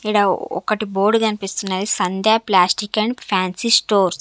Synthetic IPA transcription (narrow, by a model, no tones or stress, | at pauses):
iɽaːɔ̰kɐʈiboːɾɖkɐnipist̪unːaːd̪isɐnd̪jaːplaːsʈikɐɳɖpʰaːnsisʈoːɾs